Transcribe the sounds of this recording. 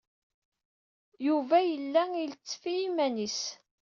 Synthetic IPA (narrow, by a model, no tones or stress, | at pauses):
juvæjəlːæilt͡sːfiimænis